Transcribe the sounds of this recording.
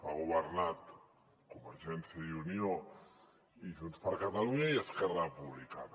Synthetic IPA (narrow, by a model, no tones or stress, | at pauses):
faɣuβərnat̪ | kumbəɾʒɛnsiəiunio | iʒunspəɾkət̪aluɲəiəskɛrapuβlika̰t̪